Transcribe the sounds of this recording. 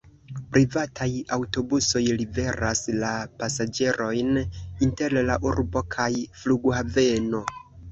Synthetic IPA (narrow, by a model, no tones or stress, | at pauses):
pɾʔivatʰajawto̞buso̞jlibe̞ɾaslapasad͡ʒe̞ɾʔo̞jninte̞ɾlaʔuɾbo̞kʰajfluɡhave̞no̞